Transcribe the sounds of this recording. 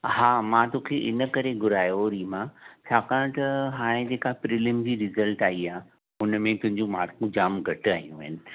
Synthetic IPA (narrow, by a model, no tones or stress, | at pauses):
haːmãt̪oːkʰeʔɪnə̆kɐɾeɡʊɾaːjoɾiːmãt͡ɕʰaːkaːɽ̃t̪ɐɦaːɽ̃ẽd͡ʑeːkapɾɪləmd͡ʑiːɾɪzəlʈaːiaː | ʊnəmẽt̪ʊ̃ɦɪ̃ɲd͡ʑũmaːɾkʰũd͡ʑaːmɡʱɐʈaːɦijũaɦɪnɪ̆